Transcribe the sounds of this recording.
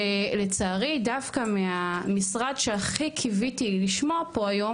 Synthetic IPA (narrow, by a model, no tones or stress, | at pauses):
let͡saːʁidavkameamisʁadʃeaχikʰivitiliʃmoapoajo̞